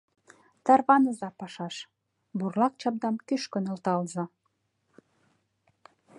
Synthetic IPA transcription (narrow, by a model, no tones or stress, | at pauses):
t̪ɑrβɑnə̆zɑpɑʃɑʃ | burlɑk̚t͡ɕɑb̚d̪ɑmkyʃkø̆nɤ̆lt̪ɑlzɤ̆